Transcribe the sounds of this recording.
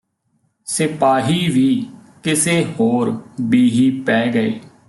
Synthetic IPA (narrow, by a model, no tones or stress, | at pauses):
sɪpaːɦiːʋiːkɪseːhoːɾbiːɦiːpɛːɡəḛː